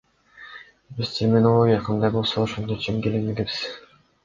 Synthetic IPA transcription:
biz̥tʲʰermʲɪnolˠoɡʲijaqʰɑnd̪ɑjbo̞lˠsouʃond̪ot͡ʃʰimkelinmeɡebi̥z̥

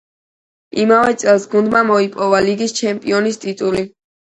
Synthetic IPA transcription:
imavɛt̪sʼɛlˠsɡund̪mamɔipʼɔvaliɡist͡ʃʰɛmpʼiɔnist̪ʼit̪ʼuli

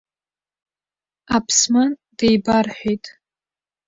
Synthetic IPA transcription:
apʰsmand̥ejbarħʷᶣejtʼ

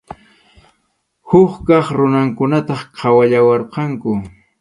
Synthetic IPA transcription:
hʊχkɑχɾʊnaŋkʊnat̪ɑχqʰɑwaʎawɑɾqɑŋkʊ

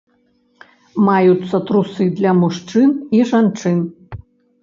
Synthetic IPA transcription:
majut̪sːɐt̪ɾusɨd̪lʲɐmuʂt͡ʂɨniʐant͡ʂɨn

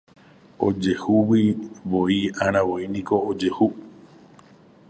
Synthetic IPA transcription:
o̰d͡ʒehuwiʋoiãɾ̃ãʋoinĩko̞ːd͡ʒe̞hu

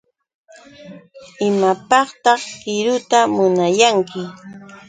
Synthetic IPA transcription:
ɪmapɑχt̪ɑχkɪɾʊt̪amʊnajaŋkʰɪ

